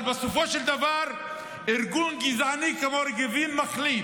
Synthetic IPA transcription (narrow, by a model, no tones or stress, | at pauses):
lbasofoʃeld̪avaɾ | iɾɡunɡizʕanikamoɾɡevimːaχli